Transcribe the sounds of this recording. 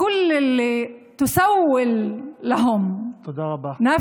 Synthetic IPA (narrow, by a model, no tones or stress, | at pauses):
ʊlːɪlːit̪ʊsawːɪlːaɦʊmt̪d̪ɑbɑnaː